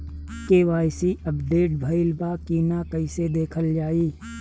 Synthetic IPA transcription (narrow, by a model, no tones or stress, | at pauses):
keʋaːjsiɐpd̪eːʈ̚bʱɐɪlbaːkiːnakɐɪsed̪eːkʰəld͡ʒaːiː